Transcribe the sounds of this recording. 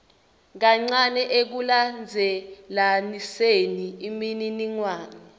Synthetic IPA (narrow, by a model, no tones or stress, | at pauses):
k̬aŋ͡ǀanɛʔek̬uland͡zʱɛlaniseniimininiŋwaːni